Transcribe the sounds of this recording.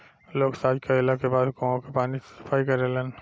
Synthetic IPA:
loːɡsaːd͡ʒkaɪlakebaːd̪kõõkepaːnisɪ̥pʰaːikɐɾelən

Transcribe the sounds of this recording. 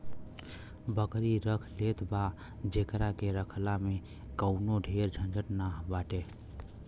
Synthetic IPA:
bəkɾiɾəkʰlet̪ba | d͡ʒekɾakeɾəkʰlame | kəʊnoɖʱeɾd͡ʒʱə̃nd͡ʒəʈnaɦbaʈe

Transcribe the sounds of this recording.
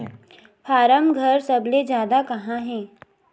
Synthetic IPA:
fʰaːɾəmɡʱɐɾsɐbled͡ʒjaːd̪akɐɦãɦɛ̃ː

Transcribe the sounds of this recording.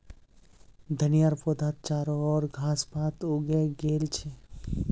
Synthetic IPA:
d̪ʱənijaːɾpod̪ʱaːt̪̚t͡ʃaːɾoɔːɾɡʱaːspaːt̪oːɡeɡeːlt͡ʃʰe

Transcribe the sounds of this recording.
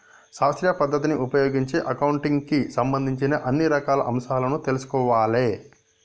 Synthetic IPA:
saːɐst̪ɾjɐpɐd̪ʱːɐt̪iniʔupɐjoːɡiɲt͡ʃeːʔɐkɐwuɳʈiŋɡkisɐmbɐnd̪ʱiɲt͡ʃinɐʔɐnːiɾɐkaːlɐ̰ʔɐmʃaːlɐnut̪e̞lusu̥kɔːʋaːleː

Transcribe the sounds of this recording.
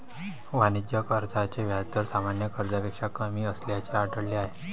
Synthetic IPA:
ʋanid͡ʑjəkəɾd͡zat͡ɕeʋʱjat̪əɾsamanjəkəɾd͡zapekʂakəmiːəsljat͡ɕeaɖəɽliaɦe

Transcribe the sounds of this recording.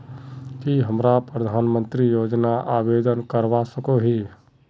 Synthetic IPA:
kiɦəmɾapɾəd̪ʱaːnmə̃nt̪ɾijoːd͡ʒnaʔaːbeːd̪ənkəɾʋasəkoɦiː

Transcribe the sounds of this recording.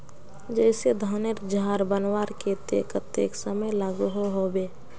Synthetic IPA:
d͡ʒɛɪsed̪ʱaːneɾd͡ʒaːɾbənwaːɾket̪ekət̪eːksəməjlaːɡuɦoɦobeː

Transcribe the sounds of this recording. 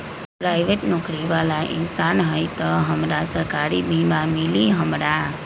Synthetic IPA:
pɾajʋeʈnɔkɾiʋalaʔɪ̰nsanɦəjt̪ɔɦəmɾasəɾkaɾibʱimãmɪliɦəmɾa

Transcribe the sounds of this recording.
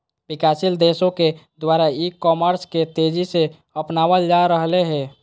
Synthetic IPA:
bɪkaːsild̪esõked̪waːɾaikɔməɾsket̪ed͡ʒise | əpnaːwəld͡ʒaɾəɦleɦɛ̃ː

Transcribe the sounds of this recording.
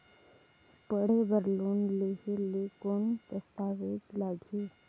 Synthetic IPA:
pəɽebəɾloːnleːɦelekont̪əst̪aːʋed͡ʒlaːɡʱeː

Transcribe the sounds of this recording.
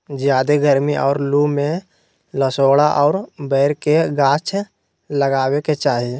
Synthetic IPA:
d͡ʒjaːd̪eɡəɾmiʔɔ̰ːɾlumẽ | ləsoːɽaʔɔːɾbɛːɪɾkeɡãːt͡ʃʰ | ləɡaːweket͡ʃaːɦi

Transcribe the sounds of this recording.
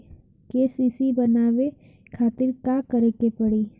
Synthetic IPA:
keːsiːsibənaːʋe | kʰaːt̪ɪɾkakəɾekepəɽiː

